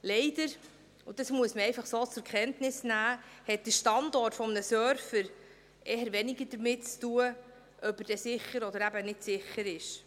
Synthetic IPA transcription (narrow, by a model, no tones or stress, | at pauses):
lɛɪdəɾ | ʊd̥ɑsmuəsməɾɛɪfɑχsoːt͡sʊɾkʰɛntnɪsnæːhɛt̚d̥əʃtɑndɔrtfɔmənəsøɾfəɾ | ʔeːɦəɾʋɛniɡəɾd̥əɾmɪtt͡stuə | ʔœpəd̥ɛsɪχːəɾɔdəɾæbənɪtsɪχːəɾɪʃ